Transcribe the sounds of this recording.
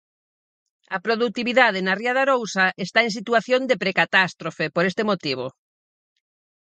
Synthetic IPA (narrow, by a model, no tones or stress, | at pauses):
ɐpɾoðuk̚t̪iβiðað̞enariaðaɾowsɐʔest̪aẽŋsit̪uaθjond̪epɾekat̪ast̪ɾofepoɾest̪emot̪iβ̞o